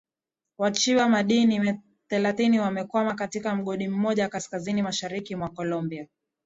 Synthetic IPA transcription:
wat͡ʃiwamaɗiniɛ | θɛlaθiniwamɛkwamakatikam̩ɠɔɗim̩mɔʄawakaskazinimaʃaɾikimwakɔlɔmbia

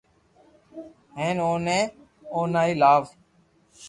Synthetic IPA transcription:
ɦeːnoːnẽː | oːnaːiːlaːʋ

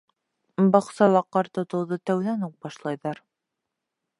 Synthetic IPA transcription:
bɑqsɑlˠɑqːɑɾt̪ŏt̪ŏwðɤt̪æwðænuq̚bɑʃlˠɑjðɑɾ

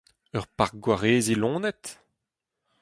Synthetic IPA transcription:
œʁpaʁɡwaʁeːzilɔ̃ːnɛt̪

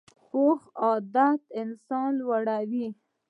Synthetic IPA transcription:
xoxɑd̪at̪ɪnsɑnwaɽawi

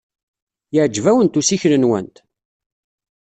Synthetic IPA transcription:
jəʕd͡ʒːvæwənt̪usiçlənwə̰nt̪

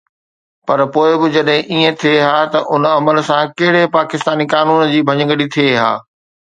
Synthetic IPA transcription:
pɐɾpoːɪbɪd͡ʑɐɗɦɪ̃ʔiːẽt̪ʰieɦaːt̪ɐʔʊnɐməlsãkɐɦɪɽepaːkɪst̪aːnikaːnuːnd͡ʑiːbʱɐɲə̃ŋɡəɽit̪ʰieɦa̰ː

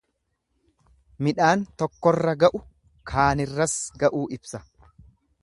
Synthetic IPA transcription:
mɪᶑaːnt̪ɔkːɔrːɐɡɐʔʊ | kʰaːnɪrːɐsɡɐʔuːʔɪbsɐ

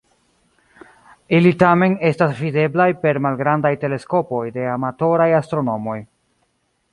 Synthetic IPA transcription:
ilitame̞ne̞stasvide̞blajpe̞ɾmalɡɾandajte̞le̞sko̞po̞jde̞amato̞ɾajastɾo̞no̞mo̞j

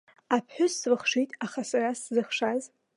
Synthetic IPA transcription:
apʰħʷᶣʊslɨχʂitʼaχasaraszɨχʂaz

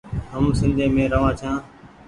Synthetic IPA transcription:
ɦəmsɪ̃nd̪ʱẽːmẽːɾəʋãːt͡ʃʰãː

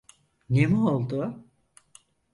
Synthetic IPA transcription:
nemiolˠd̪ʊ

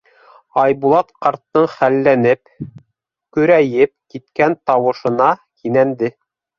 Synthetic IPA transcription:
ɑjbulˠɑt̪qɑɾt̪ːɤɴχælːænɘp | kɵ̆ɾæjɘp̚kit̪kænt̪ɑwɤ̆ʃɤ̆nɑkinænd̪ɘ

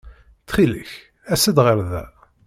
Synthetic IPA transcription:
t͡sχiləç | æsəd̪ʁəɾðæ̰

